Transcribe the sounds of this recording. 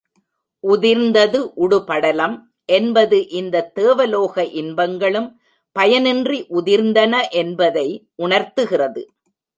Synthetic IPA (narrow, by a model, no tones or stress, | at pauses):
ʔʊðɪɾnd̪ɐðɯʔʊɽʊpɐɽɐlɐm | ʔɛnbɐðɯʔɪnd̪ɐt̪ːeːʋɐloːɣɐʔɪnbɐŋɡɐɭɯm | pɐjɐnɪndriʔʊðɪɾnd̪ɐnɐʔɛnbɐðɐɪʔʊɳɐɾt̪ɯɣɪrɐðɯ